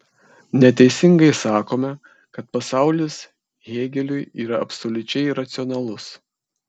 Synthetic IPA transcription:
nʲɛt̪ʲɛɪsʲɪŋɡɐɪsɑːkoːmʲɛ | kɐt̪pɐsɑˑʊlʲɪs | ɣʲeːɡʲɛlʲʊjiːɾɐɐpʲsolʲʊt͡ʃʲɛɪɾɐt̪sʲɪɔnɐlˠʊs

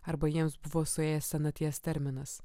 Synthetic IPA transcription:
ɐɾbɐjiɛmsbʊʋoːsʊeːjɛsʲsʲɛnɐt̪ʲiɛst̪ʲɛɾʲmʲɪnɐs

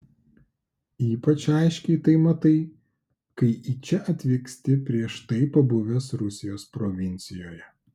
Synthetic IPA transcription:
iːpɐt͡ʃɑˑɪʃʲkʲɛɪt̪ɐɪmɐt̪ɐɪ | kɐɪʔiːt͡ʃʲɛʔɐt̪ʲʋʲɪksʲt̪ʲɪpʲɾʲiɛʃt̪ɐɪpɐbʊʋʲɛsɾʊsʲɪjoːspɾɔʋʲɪnʲt̪sʲɪjoːjɛ

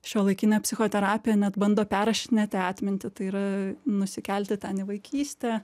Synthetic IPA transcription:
ʃʲoːlˠɐɪkʲɪnʲɛpʲsʲɪxoːt̪ʲɛɾɑːpʲɪjɛnʲɛt̪bɐnd̪oːpʲæːɾɐʃʲnʲɛt̪ʲɪɑːt̪ʲmʲɪnʲt̪ʲɪt̪ɐɪiːɾɐnʊsʲɪkʲɛlʲt̪ʲɪt̪ʲɛnɪʋɐɪkʲʰiːsʲt̪ʲɛː

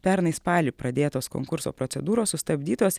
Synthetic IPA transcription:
pʲɛɾnɐɪspɑːlʲiːpɾɐd̪ʲeːt̪oːsko̰ːŋkʊɾso̰ːpɾɔt̪sʲɛd̪uːɾoːssʊst̪ɐbʲd̪ʲiːt̪oːs

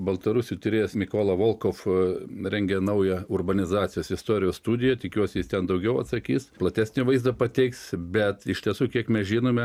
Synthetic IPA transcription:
bɐlˠt̪ɐɾusʲuːt̪ʲɪɾʲeːjɛsmʲɪkoːlˠɐʋoːlˠkoːfɾʲɛŋʲɡʲɛnɐʊjɛʊrbɐnʲɪzɑːt̪t͡ssʲɪjoːsɪst̪oːɾʲɪjoːsst̪uːd̪ʲɪjɛt̪ʲɪkʲuɔsʲɪjɪst̪ʲɛnd̪ɐʊɡʲɛʊɐt̪sɐkʲiːsplˠɐt̪ʲæːsʲnʲɪʋɐɪzd̪ɐpɐt̪ʲɛɪksbʲɛt̪ɪʃʲt̪ʲiɛsuːkʲiɛkmʲɛsʒʲiːnoːmʲɛ

